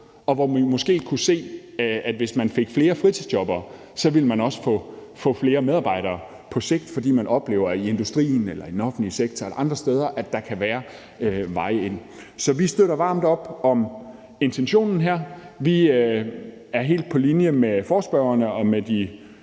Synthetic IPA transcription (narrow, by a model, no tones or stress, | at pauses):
ɒ̽ʋɒimɔ̽sɡ̥e̝̰ːkʰuse̝̰ː | æd̥ʋe̝smænfeɡ̥fle̝ːɐfʁit͡sʰið̥ˠd̥jɒ̽b̥ɐː | sɒ̽ʋilmænɒ̽sə̥fɔ̰̽ːfɔ̽fle̝ːɐmeðˠɑb̥ɑ̈ɪ̰ɾ̥ɐː | pʰɒ̽se̝ɡ̥̚d̥fɒ̽d̥ḭːmænʔɒ̽b̥le̝̰ːʊɐie̝nd̥usd̥ʁḭːnelɐid̥en̩ɒ̽fn̩liseɡ̥̚t͡sʰɒelɐʔɑ̈nd̥ʁɐsd̥eːð̞ˠɐʔæd̥ɑ̈kʰæʋæːɐ | øʋɑ̈ɪ̰e̝n̰ | sɒ̽ʋisd̥øɾɐʋɑ̈ːmd̥ɒ̽b̥ɒ̽m | e̝nt͡sʰenɕo̝̰ːnn̩ɦæɐ̰ʋi | æɐɦe̝̰ːld̥̚pʰɒ̽linjəmefɒːsb̥œʊɐnəɒ̽med̥i